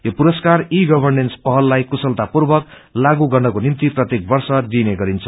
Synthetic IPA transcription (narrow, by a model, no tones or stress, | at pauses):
jopuɾʌskariɡʌbʱʌrnenspʌɦʌlːajkusʌlt̪apurbʌk | laɡuɡʌnɳɖʱʌkonimt̪iprʌt̪jek̚bʌrsʌd̪ineɡʌɾint͡sʰʌ